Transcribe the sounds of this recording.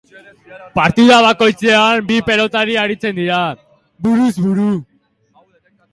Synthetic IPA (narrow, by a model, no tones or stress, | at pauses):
paɾt̪iðaβ̞ako̞jt͡seambipe̞lo̞t̪aɾiaɾit͡se̞nd̪iɾa | βuɾuzβuɾu